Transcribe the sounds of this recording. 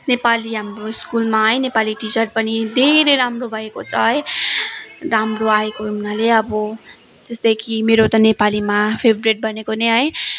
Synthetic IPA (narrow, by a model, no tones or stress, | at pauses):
nepaliɦamroiskulmaɦʌj̃nepaliʈit͡sʌrpʌnid̪ʱeɾejɾamrobʱʌekot͡sʰʌɦʌj | ramroaekoɦunaleʌbʌ | d͡zʌsd̪ʌjkʰimeɾot̪ʌnepalimapʰebʱreʈ̚bʱʌnekoneɦʌj